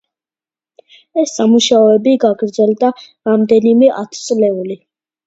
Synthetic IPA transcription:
ɛsːamuʃaɔɛbiɡaɡɾd̪zɛld̪a | ɾamd̪ɛnimɛʔa̰t̪ʰt̪sʼlɛuli

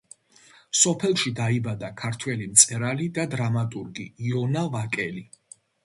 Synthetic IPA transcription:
sɔpʰɛlˠʃid̪aibad̪akʰaɾt̪ʰwɛlimt̪sʼɛɾalid̪ad̪ɾamat̪ʼuɾɡiːɔnavakʼɛli

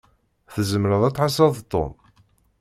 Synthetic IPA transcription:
θəzəmɾəðˤæt͡sːħas̬ɑðˤt̪ˤːo̰m

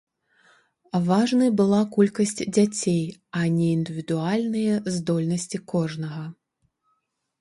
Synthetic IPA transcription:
vaʐnɨjbɨlˠakulʲkɐsʲt͡sʲd͡zʲat͡sʲejɐnʲɛind̪ɨvʲid̪ualʲnɨjɛzd̪ɔlʲnɐsʲt͡sʲikɔʐnɐɣɐ

